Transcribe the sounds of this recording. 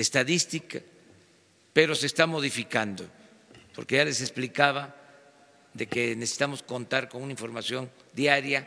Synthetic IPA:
est̪aðist̪ika | pe̞ɾo̞sest̪amo̞ðifikand̪o̰ | po̞ɾkeʝale̞se̞splikaβa | ðe̞kenesesi̥t̪amosko̞nt̪aɾkonunaiɱfo̞ɾmasjo̞nd̪jaɾja

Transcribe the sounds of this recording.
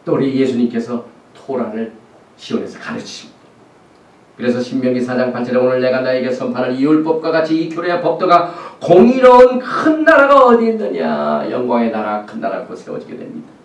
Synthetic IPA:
t͈ouɾije̞sʰuɲimk͈e̞sʰʌ | tʰoɾaɾɯɭ | ɕʰiwone̞sʰʌkaɾɯt͡ɕʰɕi̥mid̥ḁ | kɯɾe̞sʰʌɕʰimːjʌŋisʰad͡ʑaŋpaɭt͡ɕʰeɾeonɯɭne̞ɡanaeɡe̞sʰʌmpʰaɾaniuɭp͈ʌp̚k͈waɡat͡ɕʰiːkʰjoɾeapʌp̚t͈oɡakoŋiɾʌunkʰɯnːaɾaɡaʌdenːɯɲa̰jʌ̰ŋɡwaŋe̞naɾakʰɯnːa̰ɾa̰kosʰewʌ̰d͡ʑiɡe̞dwemɲid̥a

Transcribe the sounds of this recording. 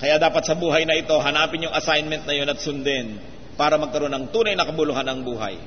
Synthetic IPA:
kɐjad̪aːpɐt̪̚sɐbuːɦɐjnɐʔɪt̪o̞ɦɐnaːpɪnjʊŋʔɐsajnmɛnt̪̚nɐjo̞nɐt̪̚sʊnd̪ɛn | paːɾɐmɐɡ̚kɐɾo̞nːɐŋt̪uːnɐjnɐkɐbʊlʊhanɐŋbuːɦɐ̰j

